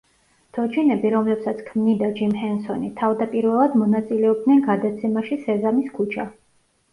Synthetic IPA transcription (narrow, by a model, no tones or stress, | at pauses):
d̪̥ʰɔt͡ʃʰinɛbiɾɔmlɛpsat̪sʰkʰmnid̪ad͡ʒimhɛnsɔnit̪ʰavd̪apʼiɾvɛlˠad̪mɔnat̪sʼilɛɔb̚d̪nɛnɡad̪at̪sʰɛmaʃisɛzamiskʰut͡ʃʰa̰